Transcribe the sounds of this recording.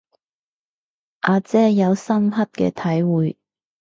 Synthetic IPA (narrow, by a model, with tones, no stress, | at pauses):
ʔaː˨˧t͡sɛː˥jɐ˨˧wsɐ˥mɦɐ˥t̚kɛ̰ː˧t̪ʰɐ˨˥jwuː˨˧j